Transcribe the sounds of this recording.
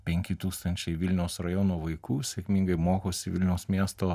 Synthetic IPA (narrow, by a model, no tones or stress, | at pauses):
pʲɛŋʲkʲɪt̪uːkst̪ɐnʲt͡ʃʲɛɪʋʲɪlʲnʲɛʊsɾɐjoːnoːʋɐɪkuːsʲɛkʲmʲɪŋɡɐɪmoːkoːsʲɪʋʲɪlʲnʲɛʊsmʲiɛst̪oː